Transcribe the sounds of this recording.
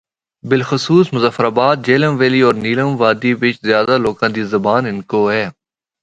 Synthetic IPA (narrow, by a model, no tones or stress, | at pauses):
bɪlxʊsuːsmʊzəfɾaːbaːt̪̚d͡ʒeːləmʋeːliːɔːɾniːləmʋaːd̪iːʋɪt͡ʃzjaːd̪aːloːkãːd̪iːzɐbaːnɪnkoːɦɛː